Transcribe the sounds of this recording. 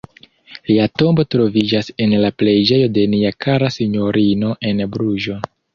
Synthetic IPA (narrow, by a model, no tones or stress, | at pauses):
liato̞mbo̞tɾo̞vid͡ʒase̞nlaple̞jd͡ʒe̞jo̞de̞niakʰaɾasiɲo̞ɾino̞ʔe̞nbɾuʒo̞